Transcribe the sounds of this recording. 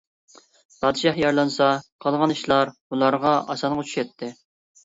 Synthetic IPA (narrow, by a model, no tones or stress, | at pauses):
pʰɑːd̪ɨʃɑhjɑɾlˠɑnsɑqʰɑlˠʁɑniʃlˠɑɾbulˠɑɾʁɑʔɑ̰sɑnʁʊt͡ʃʰy̥ʃɛt̪ʰːɪ